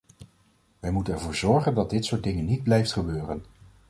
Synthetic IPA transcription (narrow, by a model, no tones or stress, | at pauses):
ʋɛjmutənɛɹvʊːɹzɔɹχəndɑd̚dɪtsʊːɹt̚dɪŋənːid̚blɛjftχəbøːrən